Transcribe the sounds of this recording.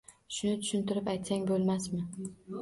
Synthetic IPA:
ʃʊnɪt̪ʰʊ̥ʃɪnt̪ɪɾɪpajt̪saŋbolˠmasmɪ

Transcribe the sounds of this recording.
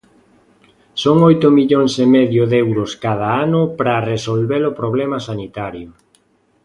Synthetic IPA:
soŋojt̪ʊmiʎoŋsemɛðjʊðɛwɾʊskað̞aanʊpɾaresolβelʊpɾoβlɛmasanit̪aɾjʊ

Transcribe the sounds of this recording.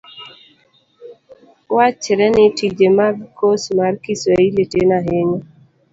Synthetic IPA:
wat͡ʃɪɾɛnɪtid͡ʒemaɡkosmarkisweiletenaɦeɲo

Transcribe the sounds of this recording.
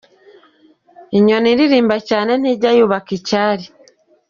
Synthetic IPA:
iɲo̞niɾiɾiːmbacaːne̞niɟajuβakicaːɾi

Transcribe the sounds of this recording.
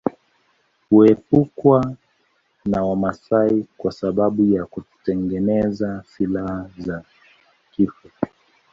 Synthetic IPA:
huɛpukwa | nawamasaikwasaɓaɓujakutu̥tɛŋɡɛnɛzasilahaza | kifu

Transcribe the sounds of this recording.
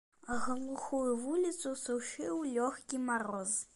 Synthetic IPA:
ɣəlˠuxujuvulʲit̪susuwʂɨwlʲɔxkʲimaɾɔz

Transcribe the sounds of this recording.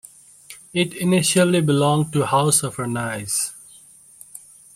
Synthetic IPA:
ɪʈɪnɪʃəlibɪlɔ̃ŋʈuhaʊsɔv̥ənaɪz̥

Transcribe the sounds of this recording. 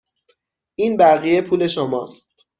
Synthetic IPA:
ʔiːnbæɣije̞pʰuːle̞ʃomɒ̰ːst̪

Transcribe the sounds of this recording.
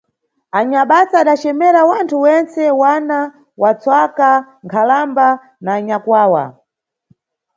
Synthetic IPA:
aɲaɓasaːɗat͡ʃɛmɛɾawantʰuwɛnt͡sɛwana | wat͡swaka | ŋkʰalamba | naːɲakwaːwa̰

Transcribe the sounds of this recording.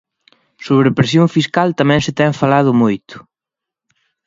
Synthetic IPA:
soβɾepɾesjoŋfiskalt̪amɛ̃ŋsɪt̪ɛŋfalað̞ʊmojt̪ʊ̥

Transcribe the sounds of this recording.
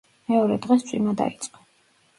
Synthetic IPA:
mɛɔɾɛd̪ʁɛst̪sʰʼwimad̪a̰it̪sʼqʼɔ̥

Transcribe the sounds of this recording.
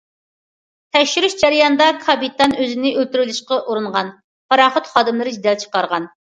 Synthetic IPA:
t̪ʰɛkʃyɾyʃd͡ʒæɾɪjɑnd̪ɑkʰɑbit̪ʰɑnøzɪnɪʔølt̪yɾylɪʃqɑʔuɾunʁɑn | pʰɑɾɑːχət̪χɑːd̪ɨmlˠɨɾɨd͡ʒid̪ɛlt͡ʃʰə̥qɑɾʁɑn

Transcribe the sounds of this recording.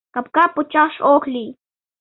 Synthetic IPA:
kapkapʊt͡ʃɑχʃoklij

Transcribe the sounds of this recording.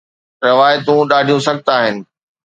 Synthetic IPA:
ɾɪʋaːjt̪ũɗaːɖʱijũsɐɡ̚ʱt̪aːɦɪnɪ̆

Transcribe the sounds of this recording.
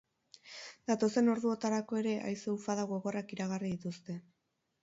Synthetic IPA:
d̪̥at̪o̞se̞no̞ɾðuo̞t̪aɾako̞e̞ɾe̞ʔa̰jso̞ufaðaɣo̞ɣo̞rakiɾaɣariðit̪ust̪e̞

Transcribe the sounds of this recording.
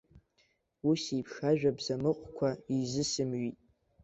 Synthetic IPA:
usipʰʂaʒᶣabzamɨqʷʼkʷʰaizɨsɨmɥitʼ

